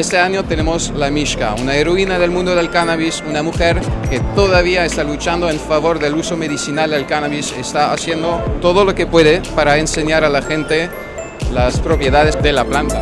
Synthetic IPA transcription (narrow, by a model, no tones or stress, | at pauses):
est̪eaɲo̞t̪enemoslamiʃka̰unaeɾoinaðe̞lmũnd̪oðe̞lkanaβisunamuxeɾket̪oðaβiaest̪alut͡ʃand̪oeɱfaβ̞o̞ɾðe̞luso̞meðisinald̪e̞lkanaβisest̪aasjend̪ot̪oðolo̞kepwe̞ðepaɾaense̞ɲaɾalaxent̪e | laspɾo̞pje̞ðaðezðe̞laplant̪a